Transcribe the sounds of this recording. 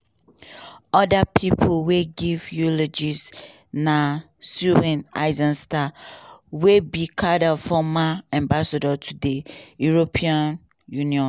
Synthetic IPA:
ɔdapʰipʰolweɡivjuled͡ʒis | na | suwɛ̃na̰ɪzãnstawebikʰadafɔmaɛ̃mbasadɔtʰudejuɹopʰiãn | juniɔ̃

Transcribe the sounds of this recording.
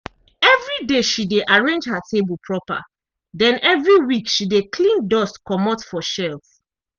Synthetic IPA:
ɛvɹideʃideʔaɹẽnd͡ʒhatʰebəlpʰɹɔpa̰ | dɛ̃nɛvɹiwikʃidekʰlĩndɔstkɔmɔtfɔʃɛlt

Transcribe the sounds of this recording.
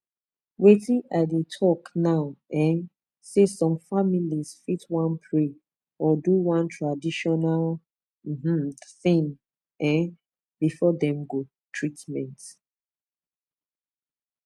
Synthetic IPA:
wetĩʔaɪdetʰɔknaʊɛ̃n | sesɔ̃mfamilizfitwãnpʰɹe | ɔduwãntɹadiʃɔnal | m̩m̩θĩŋ | ɛ̃n | bifɔdɛ̃mɡo | tʰɹitmɛ̃nt

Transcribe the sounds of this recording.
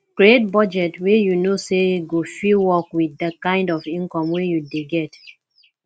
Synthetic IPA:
kɹiet̚bɔd͡ʒɛtwejunoseɡofilwɔkwiθdakãɪ̃ndɔfĩnkɔ̃mwejudeɡɛt

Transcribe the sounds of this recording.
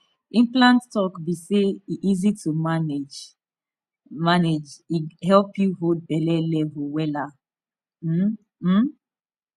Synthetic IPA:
ĩnplãnttɔkbiseiʔizitumaned͡ʒ | maned͡ʒihɛlpjuɦod̚bɛlɛlɛvuwɛla | m̩

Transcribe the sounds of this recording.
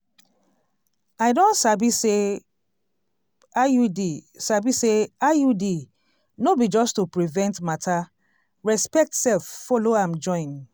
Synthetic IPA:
aɪdõnsabise | ajudisabiseajudi | nobid͡ʒɔstupɹivɛ̃ntmatʰa | ɹɛspɛk̚tsɛlffɔloãmd͡ʒɔ̃ɪ̃n

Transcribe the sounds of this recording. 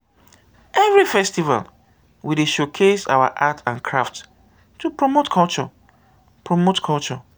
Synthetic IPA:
ɛvɹifɛstiva̰l | wileʃokʰesa̰wa̰ʔatʰãnkʰɹaft | tupɹomotkʰɔlt͡ʃɔ̰ | pɹomotkʰɔlt͡ʃɔ

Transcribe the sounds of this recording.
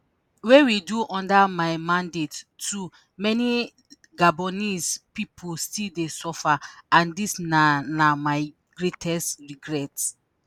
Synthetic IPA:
wewiduʔɔ̃ndamaɪmãndetːu | mɛni | ɡabɔnispipʰustildesɔfaãndisnanamaɪ | ɡ̥ɹetʰɛstɹiɡɹɛts

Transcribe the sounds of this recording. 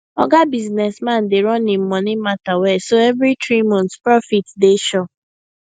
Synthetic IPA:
ɔɡabiznɛsmãn̩dɪɾɔnɪm̩mɔnɪmatawɛsoɛvɾitɾimɔ̃ntpɾɔfitdeʃɔ

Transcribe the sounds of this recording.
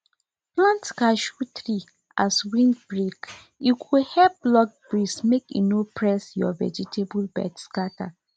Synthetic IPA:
plãntkaʃut̪ɹi | aswĩndbɹek | jukʰuhɛp̚lɔɡ̚b̥ɹismekḭnopʰɹɛsjɔvɛ̰d͡ʒitʰebulbɛ̰dskata̰

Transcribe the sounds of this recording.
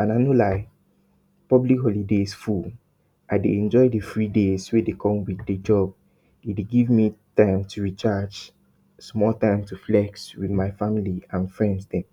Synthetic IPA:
ãnaɪnolaɪ | pɔblikɦɔlidesfu | ʔaɪdeɛ̃nd͡ʒɔɪdəθɹidezwedekʰɔ̃mwiθded͡ʒɔb̚ | dideɡivmitãɪ̃mtʰuɹit͡ʃad͡ʒ | smɔltãɪ̃mtuflɛk̚swiðmaɪfamiliãnfɹɛ̃ndsdɛ̃m

